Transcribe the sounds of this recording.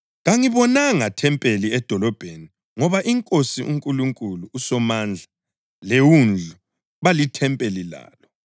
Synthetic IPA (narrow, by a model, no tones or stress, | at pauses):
ɣaŋiβɔnaŋatʰɛmpʼeliɛd̥ʱɔlɔb̥ʱeni | ŋɔβaʔiŋkʼosiʔuŋkʼuluŋkʼuluːsɔmaːnd͡ɮʱa | lewund͡ɮʱu | βalitʰɛmpʼelila̰ːlɔ